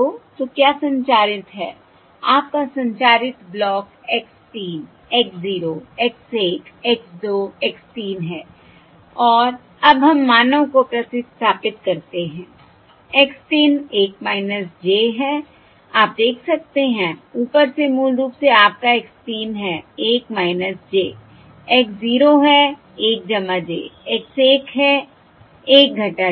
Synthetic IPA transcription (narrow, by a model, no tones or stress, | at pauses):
ot̪okjaːsɐ̃ɲt͡ʃaːɾɪt̪ɦɛː | aːp̚kasɐ̃ɲt͡ʃaːɾɪt̪blɔːkɛkstiːn | ɛksziːɾoɛkseːʈʰɛksd̪oːɛkstiːnɦɛː | ɔːɾ | ɐbɦɐmːaːnəʋkopɾɐsɪt̪sst̪ʰaːpɪt̪̚kɐɾt̪eɦɛ̃ː | ɛkst̪iːneːkmaːɪnəs̬d͡ʒeːɦɛ | aːp̚d̪eːkʰsɐk̚t̪eɦɛ̃uːpəɾsemuːlɾuːpseaːp̚kaekst̪iːnɦɛːeːkmaːɪnəsd͡ʒeː | ɛksziːɾoɦɛ | eːk̚d͡ʒɐmad͡ʒḛːɛkseːkɦɛ | eːk̚ɡʱɐ̃ʈa